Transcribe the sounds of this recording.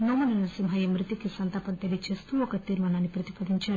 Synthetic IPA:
noːmunɐnɐsimɦɐjɐmɾit̪ikisɐnt̪ɐpɐnt̪elit͡ʃeːst̪uɔkɐt̪iːɾmaːnaːnːipɾɐt̪ipɐd̪ʱiɲt͡ʃaːɾu

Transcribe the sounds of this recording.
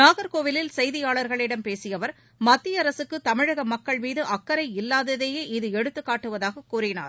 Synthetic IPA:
naːɣɐɾkoːʋɪlɪlsɛjðɪjaːɭɐɾɣɐɭɪɽɐmpeːsɪjɐʋɐɾ | mɐt̪ːɪjɐɾɐsɯkːɯt̪ɐmɪɻɐɣɐmɐkːɐɭmiːðɯʔɐkːɐɾɐɪɪlːaːðɐðeːjeːʔɪðɯɛɽɯt̪ːɯkːaːʈːɯʋɐðaːɣɐkːuːrɪna̰ːɾ

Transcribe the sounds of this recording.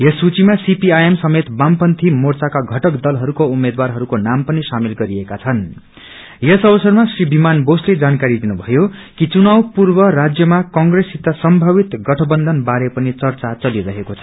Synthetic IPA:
jesut͡simasipiajemsʌmet̪bampʌnt̪ʰimort͡sakaɡʱʌʈʌkd̪ʌlɦʌɾukoumed̪warɦʌɾukonampʌnisamilɡʌɾiekat͡sʰʌn | jesʌbʌsʌrmasribimanbosled͡zankaɾid̪inubʱʌjokit͡sunawpurbʌɾad͡zjʌmakʌŋɡresit̪ːasʌmbʱʌwit̪ɡʌʈʰʌbʌnd̪ʱʌnbaɾepʌnit͡sʌrt͡sat͡sʌliɾʌɦekot͡sʰʌ̥

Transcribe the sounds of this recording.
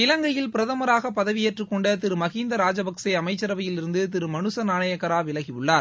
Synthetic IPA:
ɪlɐŋɡɐjɪlpɪɾɐðɐmɐɾaːɣɐpːɐðɐʋijeːʈrɯkːɔɳɖɐt̪ɪɾɯmɐɣiːnd̪ɐɾaːd͡ʒɐbɐksɐɪɐmɐɪt͡ʃːɐɾɐʋɐjɪlɪɾɯnd̪ɯt̪̬ɪɾɯmɐnɯsɐnaːɳɐjɐkːɐɾaːʋɪlɐɣiɯɭːaːɾ

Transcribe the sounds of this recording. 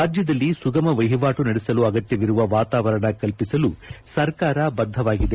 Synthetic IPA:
ɾaːd͡ʒjɐd̪ɐlːisuɡɐmɐʋɐjɦɐʋaːʈunɐɽesɐluɐɡɐt̪jɐʋiɾuʋɐʋaːt̪aːʋɐɾɐɳɐkɐlpisɐlusɐɾkaːɾɐbɐd̪ʱːɐʋaːɡid̪e

